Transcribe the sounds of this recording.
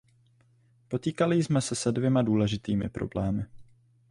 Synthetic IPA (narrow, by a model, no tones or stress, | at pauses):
po̞t̪iːkalɪzmɛsɛsɛdvjɛmaduːlɛʒɪt̪iːmɪ̰pɾo̞̰blɛːmɪ